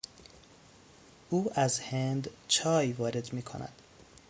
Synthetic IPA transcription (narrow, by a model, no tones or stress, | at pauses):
ʔuːæzhend̪t͡ʃʰɒːjvɒːɾe̞d̪miːkʰo̰næ̰d̪̥